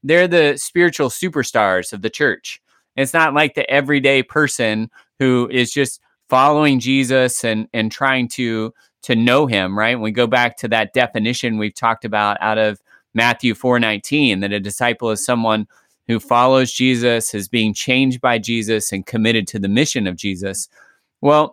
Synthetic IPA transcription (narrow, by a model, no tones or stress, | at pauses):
ðə˞ðɨspɪɹɨt͡ʃul̩ˠsʉpə˞stɑɹz̥ʌvðɨt͡ʃʰɜ˞t͡ʃ | ɨtsnətˡlaɪk̚ðiʔɛvɹideɪpʰɜ˞sɨ̃n | huɪzd͡ʒʌst | fɑlˠoʊɪ̃ŋd͡ʒizɨsɨ̃nɨ̃ntʰɹ̥aɪɪ̃ŋtʰɨ | ɾʰɨnoʊɪ̃mɹaɪt̚nwiɡoʊbæk̚tʰɨðɨt̚d̥ɛfɨnɪʃɨ̃nwiv̥tʰɔk̚tɨbaʊɾa̰ʊɾʌv | mæθjʉfɔɹnãɪ̃ntʰĩnðɨɾɨdɨsaɪpl̩ˠɨz̥sʌ̃mwʌ̃n | hʉfɑlˠoʊzd͡ʒizɨsɨzbiɪ̃ŋt͡ʃʰẽɪ̃nd͡ʒ̚baɪd͡ʒizɨsɨ̃nkʰɨmɪɾɨd̚tʰɨðɨmɪʃɨ̃nʌvd͡ʒizɨs | wɛlˠ